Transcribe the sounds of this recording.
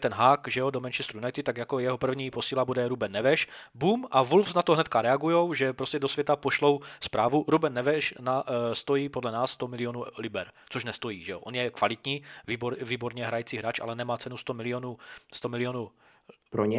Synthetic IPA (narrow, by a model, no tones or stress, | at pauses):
t̪ɛnɦaːkʒɛodomɛnt͡ʃɛst̪ɾuunajt̪ɪt̪aɡjakojɛɦopr̩vɲiːposiːlabudɛɾubɛnːɛvɛʃbuːmʔavulfsnat̪oɦnɛt̪kaɾɛaɡujowʒɛpɾoscɛd̪osvjɛt̪apoʃlowspɾaːvuɾubɛnːɛvɛʃnast̪ojiːpodlɛnaːsːt̪omɪlɪonulibɛɾ | t͡soʃnɛst̪ojiːʒɛoʔonjɛkvalɪt̪ɲiːviːbɾviːboɾɲɛɦɾajit͡siːɦɾaːt͡ʃʔa̰lɛnɛmaːt͡sɛnust̪omɪlɪonust̪omɪlɪonu | pɾoɲɛ